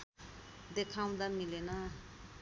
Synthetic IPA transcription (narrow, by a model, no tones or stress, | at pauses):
d̪ekʰaw̃d̪amilena